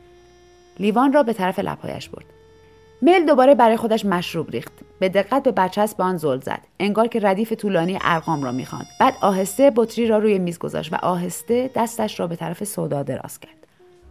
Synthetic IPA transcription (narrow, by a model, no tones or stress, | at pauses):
liːvɒːnrɒːbe̞t̪ʰæɾæfe̞lʔæ̰b̥hɒ̰ːjæ̰ʃb̥o̞̰ɾd̪̥ | me̞jld̪o̞bɒːɾebæɾɒːjexo̞d̪æʃmæʃɾuːbɾḭːxt̪b̥e̞d̪e̞ɣːæt̪̚be̞bætt͡ʃʰæst̪beɒnzolzæ̰d̪̥e̞ŋɡɒːɾcʰe̞ɾæd̪iːfe̞t̪ʰuːlɒːniːjeʔæɾɣɒːmrɒ̰ːmḭːxɒ̰nd̪̥bæːd̪ɒːɦe̞st̪ebot̪ʰɾiːɾɒːɾuːjemiːzɡo̞̰zɒ̰ʃt̪væ̰ʔɒːɦe̞st̪e̞d̪æst̪æʃɾɒːbe̞t̪ʰæɾæfe̞sod̪ɒːd̪e̞ɾɒ̰ːscʰæɾd̪̥